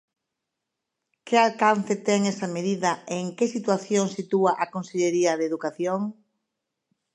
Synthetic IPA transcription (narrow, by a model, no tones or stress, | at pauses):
kɪalkanθɪt̪ɛŋɛsɐmeðiðɐeːŋkesit̪waθjoŋsit̪uaʔakõnseʎeɾiɐðeðukaθjoŋ